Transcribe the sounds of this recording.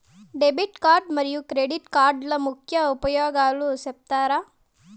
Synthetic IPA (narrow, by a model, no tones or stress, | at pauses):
ɖebiʈkaːɾɖmɐɾijukɾeɖiʈkaːɾɖlɐmukʰjɐupɐjoːɡaːlusep̚t̪aːɾaː